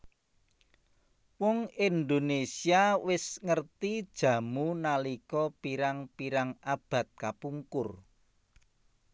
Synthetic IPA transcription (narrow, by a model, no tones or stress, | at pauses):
wɔŋind̪onesiawɪsŋərt̪id̥ʒ̥ä̤munalikɔpiɾaŋpiɾaŋʔab̥ä̤t̪̚kapuŋkʊr